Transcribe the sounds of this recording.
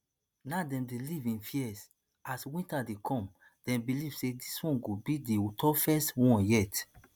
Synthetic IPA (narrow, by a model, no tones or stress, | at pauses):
nadɛ̃mdelivĩnfiɛs | aswĩntadekʰɔ̃m | d̥ɛ̃mbiliv̥sediswɔ̃nɡobideotʰɔfɛstwɔ̃njɛt